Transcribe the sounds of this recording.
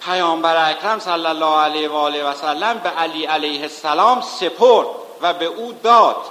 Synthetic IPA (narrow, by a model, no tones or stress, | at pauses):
pʰæjɒːmbæɾeækʰɾæmsælːælːɒːælevɒːlevæsælːæmbeʔæliːælejhesːælɒːmse̞pʰoɾd̪̥ | væbe̞ʔuːd̪ɒːd̪̥